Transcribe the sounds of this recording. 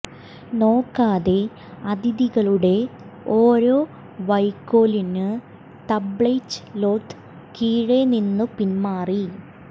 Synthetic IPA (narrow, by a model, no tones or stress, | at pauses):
no̞ːkːaːðe̞ | ɐd̪iðiɣɐɭuɽe̞ | oːɾo̞ː | ʋɐjkːo̞ːlinɨ | t̪ɐbɭejt͡ɕːɨ̥lo̞ːt̪ːɨ̥ | kiːɻeninːɨpinmaːri